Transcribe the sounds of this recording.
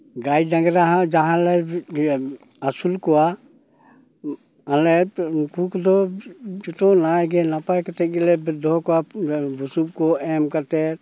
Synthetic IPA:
ɡajd̪ãɡɾaɦãd͡ʒaɦãlɛ | asulkɔwa | ãlɛkukd̪ɔd͡ʒut̪ɔ̃najɡɛnapajkat̪ɛɡɛlɛbd̪ʱɔkɔabusuk̚kɔɛmkat̪ɛɾ

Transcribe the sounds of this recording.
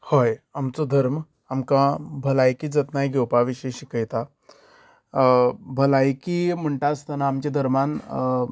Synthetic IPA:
hojamt͡sod̪ʱəɾm | amkãbʱəlajkiːd͡zət̪najɡʱewpaʋiɕəjɕikəjt̪a | bʱəlajkim̤əɳʈast̪ənaːmt͡ɕad̪ʱəɾman

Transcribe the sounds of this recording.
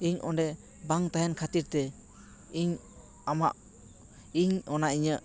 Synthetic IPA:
iɲʔɔndɛ | baŋt̪aɦɛnkʰat̪iɾt̪ɛ | iɲ | ama̰ʔ | iɲɔnaʔiɲəʔ

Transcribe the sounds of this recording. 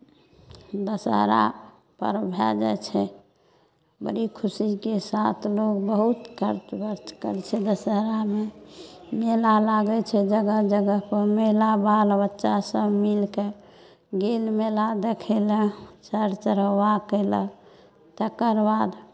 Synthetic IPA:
d̪əsə̰ɦɾa̰ | pə̰ɾbʱɛ̰d͡ʒɛ̰t͡ʃʰɛ | bə̰ɾikʰusikesat̪ʰlokbəɦut̪kəɾt͡ʃbəɾt͡ʃkəlt͡ʃʰɛd̪əsəɦɾame | melalaɡɛt͡ʃʰɛd͡ʒəɡəd͡ʒəɡəɦpəmelabalbətːʃasəbmilke | ɡelmelad̪ekʰelət͡ʃəɾt͡ʃəɾəwakelə̰ | t̪əkəɾbad̪

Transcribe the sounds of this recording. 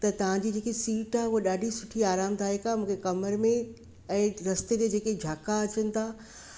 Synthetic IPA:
t̪ɐt̪ɐʋ̤ãd͡ʑiːd͡ʑeːkesiːʈaɦuɦɗaːɖʱisʊʈʰiaːɾaːmt̪ʰaːɦekamũːkʰekɐməɾmẽ | ɛ̃ːɾɐst̪ed͡ʑed͡ʑeːked͡ʑʱaːkaɐt͡ɕənɪ̆t̪ʰaː

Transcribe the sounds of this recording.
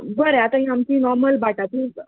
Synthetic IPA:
bəɾeat̪ãɦĩɦamt͡ɕiːnɔɾməlbaʈat̪ĩ

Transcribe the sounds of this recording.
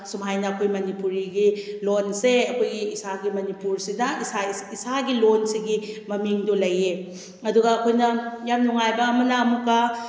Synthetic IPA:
sumɦajnɐːkʰojmɐnipuɾiɡilonseɐkʰojɡiːsaɡimɐnipuɾsidɐsaisaɡilonsiɡimɐmiŋdulɐje | ɐduɡɐːkʰojnɐjamnuŋajbɐɐmɐnɐːmukːɐ

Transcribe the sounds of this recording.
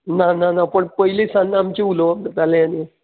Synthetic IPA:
nananapəɳpəɦilesanːamt͡ɕeuloapd̪ət̪alẽani

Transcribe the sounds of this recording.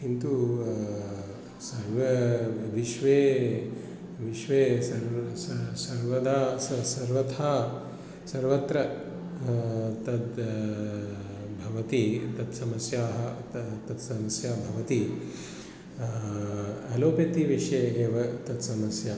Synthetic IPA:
int̪u | sɐɾʋɐʋiʃʋeː | ʋiʃʋeːsɐɾssɐɾʋɐd̪aːsɐsɐɾʋɐt̪ʰaː | sɐɾʋɐt̪ɾɐ | t̪ɐd̪ | bʱɐʋɐt̪it̪ɐt̪sɐmɐsjaːɦɐt̪ɐt̪sɐmɐsjaːbʱɐʋɐt̪i | ɐloːpɐt̪iʋiʂeːɦeːʋɐt̪ɐt̪sɐmɐsjaː

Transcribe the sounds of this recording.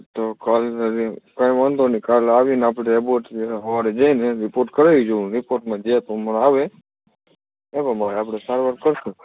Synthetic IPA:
t̪okalɾikaimand̪onikalaʋinaːpɽeeboʈɦəʋaɾed͡ʒaineɾɪpoɾʈkəɾeʋid͡ʒoũnɾɪpoɾʈmãd͡ʒet̪omənaʋe | ebamaɾeapɽesaɾʋəɾkəɾt̪ũ

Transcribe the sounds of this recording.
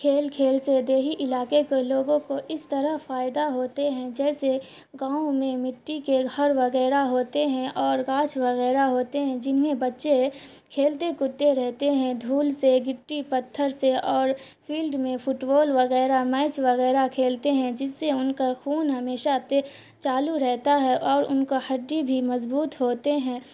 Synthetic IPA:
kʰeːlkʰeːlsed̪eːɦiʔɪlaːkekoloːɡõkoʔɪst̪əɾəfaːjɪd̪aɦoːt̪eɦɛ̃d͡ʒɛːse | ɡãːũmẽmɪʈːikeɐɾʋɐɣɛːɾaɦoːt̪eɦɛ̃ʔɔːɾɣaːt͡ʃʰʋɐɣɛːɾaɦoːt̪eɦɛ̃d͡ʒɪnmẽbɐtːʃe | kʰeːlt̪ekʊt̪ːeɾɛɦt̪eɦɛ̃d̪ʱuːlseɡɪʈːipɐt̪ʰːəɾseɔːɾ | fʰiːlɖmẽfʊʈboːlʋɐɣɛːɾamɛːt͡ʃʋɐɣɛːɾakʰeːlt̪eɦɛ̃d͡ʒɪsːeʊnkaxuːnɦɐmeːʃat̪e | t͡ʃaːluɾɛɦt̪aɦɛʔɔːɾʊ̰nkoxɐɖːibʱimɐzbuːt̪ɦoːt̪eɦɛ̃ː

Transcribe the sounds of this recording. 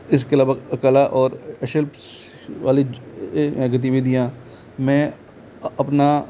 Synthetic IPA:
ɪs̬keɐlaːbəɡɐkəlaʔɔːɾɐʃɪlp | ʋaːlĩ | ɡɐt̪̬iʋɪd̪ʱijãː | mɛ̃ | ɐpna

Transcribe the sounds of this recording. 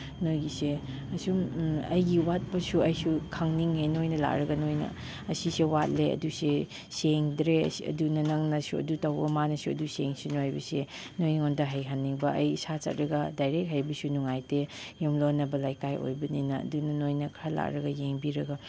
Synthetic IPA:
nojɡise | ɐsumɐ̰jɡiwat̚pɐsuɐjsukʰaŋniŋenojnɐla̰k̚ɾɐɡɐnojnɐ̰ | ɐsisewat̚leɐ̰duse | seŋdɾeɐ̰siɐ̰dunɐnɐŋnɐsuɐ̰dutɐwɡɐmanɐsuɐ̰duseŋsunojbɐse | nojniŋondɐɦɐjɦanːiŋbɐʔɐjsat͡ʃɐ̰t̚ɾɐɡɐdajɾek̚ɦajbɐsunuŋajtejumlonːɐbɐlajkajʔo̰jbɐninɐɐ̰dunɐnojnɐkʰɾala̰k̚ɾɐɡɐjeŋbiɾɐɡɐ

